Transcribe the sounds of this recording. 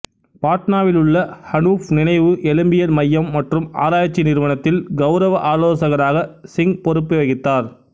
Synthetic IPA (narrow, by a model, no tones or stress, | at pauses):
paːʈnaːʋɪlɯɭːɐhɐnuːfnɪnɐɪʋɯʔɛlɯmbɪjɐnmɐjːɐmːɐʈrɯma̰ːɾaːjɐt͡ʃːinɪɾɯʋɐnɐt̪ːɪlɡɐʊɾɐʋɐʔaːloːsɐɣɐɾaːɣɐsɪŋpɔɾɯpːɯʋɐɣɪt̪ːaːɾ